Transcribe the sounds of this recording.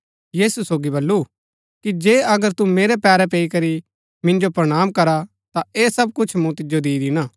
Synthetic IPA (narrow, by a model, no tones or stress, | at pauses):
jiːsusoːɡibɐlːu | kid͡ʒeːɐɡəɾt̪umeːɾɛpɛːɾɛp̬eːikɐɾi | mɪ̃nd͡ʒopɾɐɽ̃aːmkɐɾa | t̪aeːsɐb̚kʊt͡ʃʰmũt̪ɪd͡ʒod̪iːd̪inaː